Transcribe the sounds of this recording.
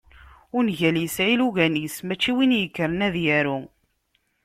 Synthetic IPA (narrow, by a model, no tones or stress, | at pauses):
ʊɾnʝæljəsʕiluɣænismæt͡ʃːiwinjəkːəɾənæðjæɾu